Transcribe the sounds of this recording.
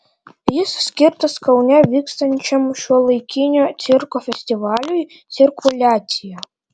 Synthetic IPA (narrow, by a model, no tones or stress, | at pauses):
jɪssʲkʲirt̪ɐskɐwnʲavʲikst̪ɐnʲt͡ʃɐmʃʲuɔlˠɨjkʲʰinʲɔt̪t͡s̪ʲirkɔfʲɛsʲtʲiʋalʲuj̪ | sʲirkʊlʲaija